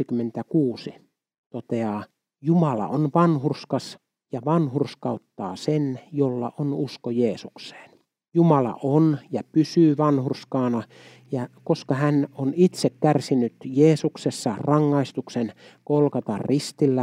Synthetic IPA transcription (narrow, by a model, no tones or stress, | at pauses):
ikymːent̪ækuːsi | t̪ot̪eɑː | jumɑlɑ̰onʋɑnhurskɑs | jɑʋɑnhurskɑut̪ːɑ̰ːsenjolːɑ̰ʔonuskojeːsukse̥ːn | jumɑlɑ̰ʔonjɑpysyːʋɑnhurskɑːnɑ | jɑkoskɑhænonit̪sekkærsinyt̪jeːsuksesːɑrɑŋːɑist̪uksenkolkɑt̪ɑrrist̪ilːæ